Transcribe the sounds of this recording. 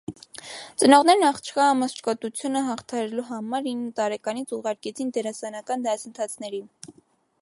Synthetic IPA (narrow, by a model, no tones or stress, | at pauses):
t͡sənɔʁnɛɾnɑχt͡ʃʰχɑːməst͡ʃʰkɔt̪ut͡sʰjunəɦɑχt̪ʰɑhɑɾɛluɦɑmɑɾinːət̪ɑɾɛkɑnit͡sʰuʁɑɾkɛt͡sʰind̪ɛɾɑsɑnɑkɑnd̪ɑsənt̪ʰɑt͡sʰnɛɾin